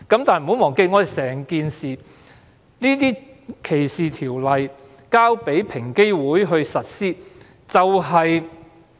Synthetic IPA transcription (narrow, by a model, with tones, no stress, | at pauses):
kɐ˨˥mt̪aː˨n˨m̩˨˩ho˨˥wmɔː˨˩ŋke˧jŋɔː˨˧d̪e˨˩sɛː˨˩ŋkiː˨nsiː˨˩ | niː˥t̪̬iː˥ | kʰe˨˩jsiː˨t̪ʰiː˨˩wlɐ˨j | kaː˥wpe˨˥jpʰɪ˨˩ŋke˥jwuː˨˥jɦɵ˧ɥsɐ˨t̚siː˥ | t͡sɐ˨wɦɐ˨j